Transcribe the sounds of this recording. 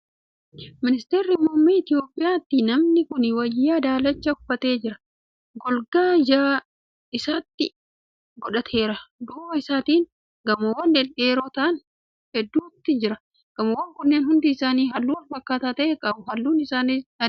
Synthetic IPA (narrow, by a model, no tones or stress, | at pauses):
mɪnɪst̪eːɾːɪmuːmːiːɪt̪ɪjo̞ːpʼːɪjaːt̪ːɪnɐmnɪkʊnɪwɐd͡ʒːad̪aːlɐt͡ʃːɐʊfːɐt̪e̞ːd͡ʒɪɾɐ | ɡɔlɡaːd͡ʒaː | ɪsaːt̪ːɪ | ɡɔᶑɐt̪ʰe̞ːɾɐd̪ʊːɐɪsaːt̪iːn | ɡɐmowɐnd̪ɛle̞ːɾoːt̪ɐʔɐn | hɛd̪ːuːt̪ːɪd͡ʒɪɾɐ | ɡ̥ɐmɐwːɐŋkʊnːe̞ːnhʊnd̪iːɪsaːniːɦɐlːuːwɐlfɐkːaːt̪aːt̪ɐʔeːkʼɐbʊɦɐlːuːnɪsaːnɪɐ